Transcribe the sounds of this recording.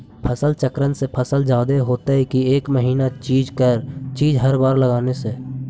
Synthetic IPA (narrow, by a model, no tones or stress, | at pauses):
pʰəsəlt͡ʃəkɾənsepʰəsəld͡ʒaːd̪eɦoːt̪aɦɛkieːkməɦiːnat͡ʃiːd͡ʒkəɾt͡ʃiːd͡ʒɦɐɾbaːɾləɡaːnese